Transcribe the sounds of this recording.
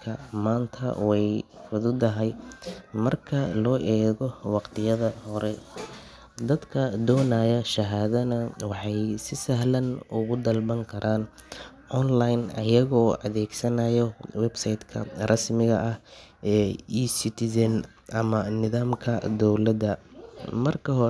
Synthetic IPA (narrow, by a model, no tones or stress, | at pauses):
kʰɐmaːnt̪ʰɐ̰wɛjfʊðʊd̪ɐɦɛjmɐrkʰɐlɔːʔɛːɣɔwɑqt̪ʰɪjɐðɐhɔɾɛ | d̪ɐd̪kʰɐd̪ɔːnaːjɐʃɐɦaːðɐnɐwɑħɑjsɪsɐɦlɐnʊɣʊd̪ɐlbɐŋkʰɐɾʔaːn | ʔɔnlajnɐ̰jɐɣɔːɐ̰ðɛːɡsɐnɐjɔwɛbsɐjd̪kʰɐ̰rʔɑsmɪɣɐʔɐh | ɛːiːsɪt̪ʰɪsɐn | ʔɐmɐnɪðaːmkʰɐd̪ɔwlɐd̪ɐmɐrkʰɐɦɔ